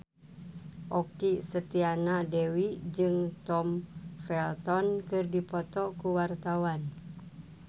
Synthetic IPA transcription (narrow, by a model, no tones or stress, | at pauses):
ʔɔkisət̪ianadewid͡ʒɨŋt̪ɔmfɛlt̪ɔnkɨrdipɔt̪ɔkuwart̪awan